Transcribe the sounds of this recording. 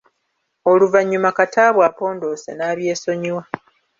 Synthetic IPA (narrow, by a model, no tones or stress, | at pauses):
oluvaɲːumakataːβwaːpo̞ːndo̞sḛnaːβje̞ːso̞ɲuwa